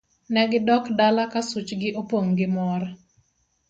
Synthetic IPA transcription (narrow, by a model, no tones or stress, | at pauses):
nɛɡɪdɔkdalakasut͡ʃɡɪʔopwoŋɡɪmɔɾ